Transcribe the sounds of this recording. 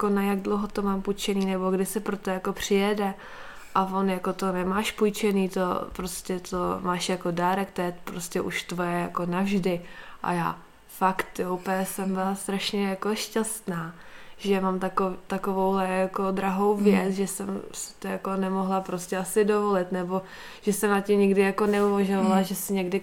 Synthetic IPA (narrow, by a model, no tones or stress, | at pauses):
jakonajaɡdlowɦot̪o̞maːmpujt͡ʃɛniːnɛboɡdɪsɛpɾot̪ojako̞pr̝̥ɪjɛdɛ | ʔavo̞njako̞t̪onɛmaːʃpujt͡ʃɛniːt̪o̰pɾoscɛt̪omaːʃjako̞daːɾɛkt̪ɛjɛpɾoscɛʔuʃt̪vo̞jɛjako̞navʒdɪʔa̰ja̰ː | fakt̪jowpɛsɛmbɪlast̪ɾaʃɲɛjako̞ʃcast̪naːʒ̥ɛmamt̪at̪akovowɦlɛjako̞d̪ɾaɦo̞wvjɛt͡sʒɛsɛmsɪ̥t̪ojako̞nɛmoɦlapɾoscɛʔasɪdo̞vo̞lɪt̪nɛbo̞ | ʒ̥ɛsɛmnacɪmɲɪɡdɪjako̞nɛuvaʒovalaʒɛsɪɲɛɡdɪ